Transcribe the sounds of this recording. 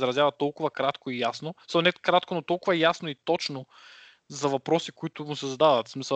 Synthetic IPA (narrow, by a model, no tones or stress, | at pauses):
zɾɐzjavɐt̪ɔlˠkʊvɐkɾat̪koijasnomisɐlˠnɛkɾat̪̚konot̪ɔlˠkʊvɐjasnoit̪ɔt͡ʃno | zɐvɐpɾɔsikoit̪ʊmʊsɛzɐd̪avɐt̪smisə